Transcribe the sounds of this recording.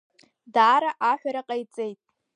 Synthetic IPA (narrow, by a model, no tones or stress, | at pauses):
daːɾaʔaħʷᶣaɾaqʼajt͡sʼejtʼ